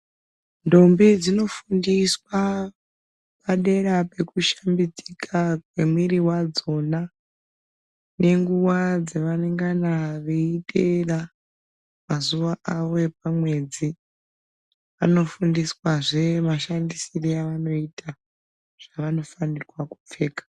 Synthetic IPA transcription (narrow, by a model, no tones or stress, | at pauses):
ndo̞mbid͡zino̞fundiswa | paɗe̞ɾape̞kuʃambid͡zi̥kʰakwemwiɾiwad͡zo̞na | ne̞ŋɡuwad͡zeʋaneŋɡanaʋeitera | mazuʋaʔaʋo̞ep̚amwe̞d͡zi | ano̞fundiswaʐe̞maʃandisiriaʋano̞ita | ʐ̥aʋano̞fanirwakup͡fe̞ːkḁ